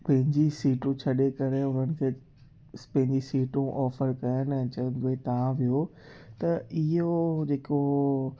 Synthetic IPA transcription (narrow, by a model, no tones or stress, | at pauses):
pɐ̃ɦɪ̃ɲd͡ʑisiːʈũt͡ɕʰɐɗekɐɾeʊnənɪ̆kʰeː | spɐ̃ɦɪ̃ɲd͡ʑisiːʈũʔɔːfəɾkɐjənɛ̃t͡ɕɐ̃nd̪oet̪ɐʋ̤ãʋijot̪ɐɪɦod͡ʑeːko